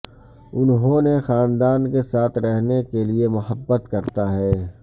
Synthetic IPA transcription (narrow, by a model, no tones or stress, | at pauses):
ʊnɦõnexaːnd̪aːnkesaːt̪ʰɾɛɦnekeliemʊɦəbːət̪kɐɾt̪aɦɛː